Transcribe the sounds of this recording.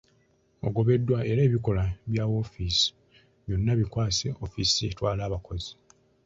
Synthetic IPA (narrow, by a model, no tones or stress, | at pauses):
o̞̰ɡo̞βe̞dːwaeɾe̞ːβiko̞laβjaːwo̞fisi̥ | βjo̞nːaβikwaːseofisietwaːlaːβako̞zi